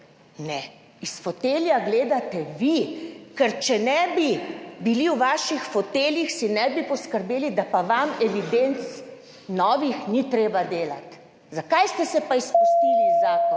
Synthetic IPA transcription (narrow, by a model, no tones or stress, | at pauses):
nɛ | isfɔt̪eːljaɡleːd̪at̪ɛʋikɛɾt͡ʃɛnɛbibiliwʋaːʃixfɔt̪eːljixsinɛbipɔskəɾbeːlid̪apaʋamɛʋid̪ent̪s | nɔːʋixnit̪ɾeːbad̪eːlat̪ | zakajst̪ɛsɛpaispust̪ilizaːk